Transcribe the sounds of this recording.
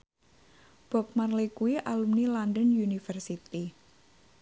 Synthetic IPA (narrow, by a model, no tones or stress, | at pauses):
b̥ɔp̚marlikuwiʔalumnilandənjunifərsit̪i